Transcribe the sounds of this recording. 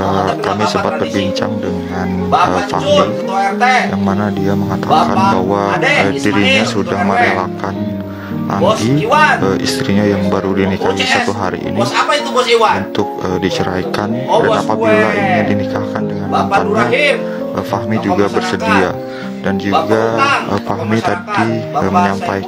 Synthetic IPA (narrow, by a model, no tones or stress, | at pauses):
əkamisəbat̪̚bərbiɲt͡ʃa̰ŋdəŋan | əfa̰hmi | jaŋmanadiaməŋat̪akanbaɦwaədiɾiɲasudahməɾalakan | ʔa̰ɡiəḭst̪ɾiɲajaŋbaɾudinikaɦisat̪uɦaɾḭʔḭnipait̪uunt̪ʊk̚ədit͡ʃəɾajkandannapabilainɲadinikahkandəŋanampanɲa | ʔəfaɦmid͡ʒuɡabərsədia | dand͡ʒuɡaəfaɦmit̪adiəməɲampaj